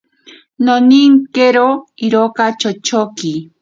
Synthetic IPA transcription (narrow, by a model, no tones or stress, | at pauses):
noniŋkeɾoiɾokat͡ʃot͡ʃoki